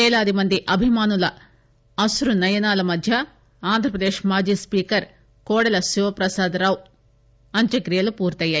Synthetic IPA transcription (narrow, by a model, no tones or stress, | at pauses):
ɛːlaːd̪imɐnd̪iʔɐbʱimaːnulɐ | ɐsuɾunɐjɐnaːlɐmɐd̪ʱjɐ | aːnd̪ʱɾɐpɾɐd̪eːʃmaːd͡ʒiːspiːkɐɾ | kɔːɽɐlɐsuʋɐpɾɐsaːd̪ɾaːwu | ɐɲt͡ʃɐkɾijɐlupuːɾt̪ɐjːaːj